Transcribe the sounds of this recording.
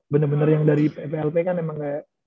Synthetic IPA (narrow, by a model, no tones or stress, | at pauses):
bənarbənarjaŋdaɾipepeɛlpekanemaŋɡa